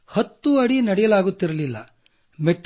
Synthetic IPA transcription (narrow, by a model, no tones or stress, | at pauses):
hɐt̪ːuɐɽinɐɽɛjɐlaːɡut̪ːiɾɐlilːɐ̰ | meʈː